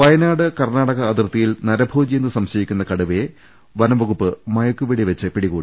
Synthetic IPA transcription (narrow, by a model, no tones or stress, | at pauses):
ʋɐjɐnaːɽɨkɐrnaːɽɐɣɐːd̪irt̪ːijilnɐɾɐbʱuːd͡ʑiːnd̪ɨsɐmɕɐjikʲːunːɐkɐɽuʋe | ʋɐnɐʋɐɣupːɨmɐjɐkːuʋiɽiʋɐt͡ɕːɨpiɽiɣoːɽi